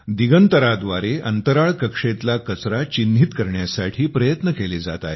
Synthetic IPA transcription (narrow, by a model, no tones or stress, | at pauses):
d̪iɡənt̪əɾad̪ʋaɾeʔənt̪əɾaɭkəkʂet̪lakət͡sɾat͡ɕinːʱit̪kəɾɳjasaʈʰiːpɾəjət̪nəkeled͡za̰t̪a̰